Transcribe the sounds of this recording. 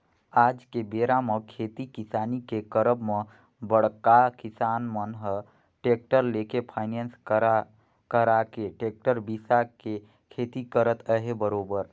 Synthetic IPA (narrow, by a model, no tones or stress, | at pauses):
aːd͡ʒkebeːɾamə̃kʰeːt̪ikɪsaːnikekəɾəbmə̃ | bəɽkakɪsaːnmənɦə | ʈeːk̚ʈəɾlekepʰaːɪnens | kəɾakeʈeːk̚ʈəɾbisake | kʰeːt̪ikəɾət̪əɦebəɾoːbəɾ